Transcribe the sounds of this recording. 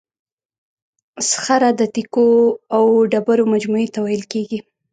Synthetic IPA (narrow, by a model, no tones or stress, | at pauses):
sxaɾad̪ət̪ikoawɖabaɾomad͡ʒmuet̪awajəlkeɡi